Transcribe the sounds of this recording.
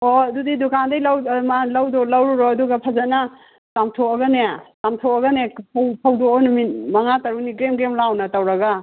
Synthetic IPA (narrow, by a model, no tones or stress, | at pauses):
oɐdudidukandɐjlawmalɐwdɔlɐwɾuɾoɐduɡɐpʰɐzana | tamtʰoɐɡɐneatamtʰoɐɡɐnepʰwpʰɐwdoonuminmɐŋatɐɾuniɡɾemɡɾemlawnɐtɐwɾɐɡa